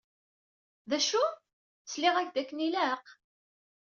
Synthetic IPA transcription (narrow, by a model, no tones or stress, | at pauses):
ðæʃu | t͡sːlɪʁæçd̪ækːənilæq